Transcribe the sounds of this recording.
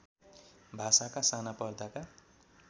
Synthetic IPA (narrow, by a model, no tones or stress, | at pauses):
bʱasakasanapʌrd̪aka